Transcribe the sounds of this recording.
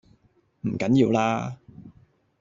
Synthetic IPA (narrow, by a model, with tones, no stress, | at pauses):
m̩˨˩kɐ˨˥njiː˧wlaː˥